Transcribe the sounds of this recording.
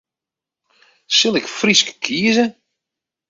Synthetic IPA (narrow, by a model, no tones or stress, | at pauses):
sɪlˠɪkfriskkʰiːəzə